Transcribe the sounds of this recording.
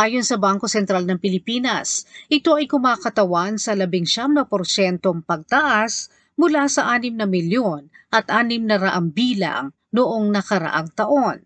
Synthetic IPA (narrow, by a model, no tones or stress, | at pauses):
ʔaːjo̞nsɐbaŋko̞sɛnt̪ɾalnɐŋpɪlɪpiːnɐsʔɪt̪o̞ʔɐjkʊmaːkɐt̪ɐwansɐlɐbɪŋʃamnɐpoɾsɛnt̪o̞ŋpɐɡ̚t̪ɐʔas | mʊlasɐʔaːnɪmnɐmɪljo̞n | ʔɐt̪ʔaːnɪmnɐɾɐʔaŋbiːlɐ̰ŋ | noʔoŋnɐkɐɾɐ̰ʔaŋt̪ɐʔo̞n